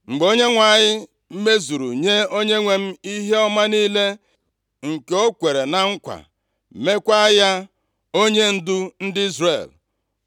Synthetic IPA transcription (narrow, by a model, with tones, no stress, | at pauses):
ŋ͡m̩˨ɡ͡bo˦ɲe˦ŋʷa˨ɲɪ˦ | m̩˦me˦zu˨ɾṵ˨ɲe˦o˦ɲe˦ŋʷe˨m̩˦i˦ɦe˦ɔ˦ma˦niː˦le˦ | ŋ̩˨ke˨o˦kʷe˨ɾe˨na˨ŋ̩˦kʷa̰˨ | me˦kʷa˦ja˦ | o˦ɲe˦n̩˦dʊ˦n̩˦dɪ˦i˦zrḛ˨l